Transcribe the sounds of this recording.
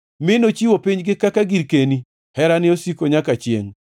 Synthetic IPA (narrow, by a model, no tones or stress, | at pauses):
mɪnot͡ʃiwopiɲɡɪkakaɡiɾkeni | hɛɾanɪosikoɲakat͡ʃjḛŋ